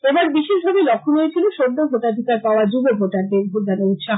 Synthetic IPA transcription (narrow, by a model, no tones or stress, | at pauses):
ebaɾbiʃiʃbʱabelɔkʰːunoet͡ɕʰiloʃod̪ːobʱoʈad̪ʱikaɾpaoad͡ʑubebʱoʈaɾd̪eɾbʱuɾd͡ʑanaut̪ʃa